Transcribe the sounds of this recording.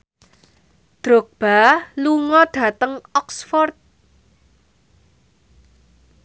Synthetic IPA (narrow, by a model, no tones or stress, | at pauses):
d̪̥ɾok̚b̥aluŋɔɖ̥a̤t̪əŋɔksfɔrt̪̚